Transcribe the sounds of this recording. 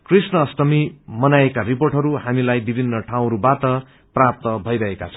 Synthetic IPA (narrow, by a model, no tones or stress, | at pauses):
krisnʌːsʈʌmimʌnaekariporʈɦʌɾuhamilajbibʱinːʌʈʰaw̃ɾubaʈʌ | prap̚t̪ʌbʱʌjɾʌɦekat͡sʰʌ